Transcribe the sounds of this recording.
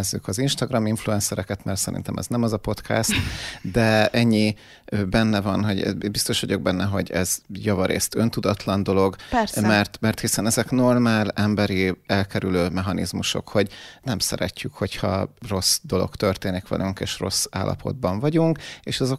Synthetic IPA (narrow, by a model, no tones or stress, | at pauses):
zːykɒzinʃt̪ɒɡrɒmiɱfluɛnsɛɾɛkɛt̪mɛrt̪sɛɾḭnt̪ɛmʔɛ̰znɛmɒzɒpo̞t̪kʰɛ̰st̪d̪ɛɛɲːi | bɛnːɛvɒnɦoɟɛ̰bist̪o̞ʃʋɒɟo̞ɡ̚bɛnːɛɦo̞ɟɛz̥jɒvɒɾḛːst̪ønt̪ud̪ɒt̪lɒnd̪o̞lo̞ɡmɛrt̪mɛrt̪hisɛnɛzɛkno̞rmaːlɛmbɛɾiɛlkɛɾyløːmɛɦɒnḭzmuʃo̞̰kho̞ɟnɛmsɛ̰ɾɛ̰cːykho̞chɒ̰ro̞sd̪o̞lo̞̰kt̪ø̞rt̪eːnikʋɛ̰lyŋkḛːʃro̞sːa̰ːlʔɒ̰pʰo̞̰d̪̚bɒɱvɒɟuŋkeːʃɒzo̞